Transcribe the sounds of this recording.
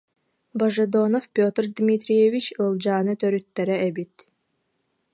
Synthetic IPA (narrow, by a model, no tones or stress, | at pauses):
bɐʒɛd̪onɔfpʲot̪rd̪mʲit̪ɾʲijevit͡ʃɯlˠd͡ʒaːnɯt̪œɾyt̪ːɛɾɛɛbit̪